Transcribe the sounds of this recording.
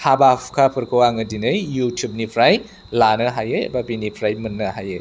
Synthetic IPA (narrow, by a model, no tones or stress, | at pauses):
habapʰkʰapʰɯɾkʰɯwaŋɯdinɯjːutʰjup̚nipʰɾaj | lanɯɦajɯj̰babinipʰɾajmɯnːɯɦajɯj